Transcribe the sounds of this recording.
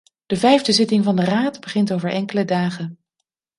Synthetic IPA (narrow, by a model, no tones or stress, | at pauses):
d̥əvɛjvdəzɪtɪŋvɑndəraːtbəχɪntowvəɹʔɛŋkələdaːχən